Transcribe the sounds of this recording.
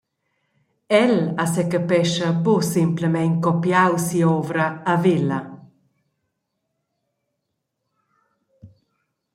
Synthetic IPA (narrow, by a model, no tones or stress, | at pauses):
ɛlasɛkəpɛʃəbosimpləmɛŋkɔpjawsiɔvɾəːvilɐ